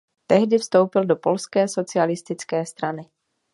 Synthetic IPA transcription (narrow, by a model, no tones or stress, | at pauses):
t̪ɛɦdɪfst̪o̞wpɪldo̞polskɛːso̞t͡sɪalɪst̪ɪt͡skɛːst̪ɾanɪ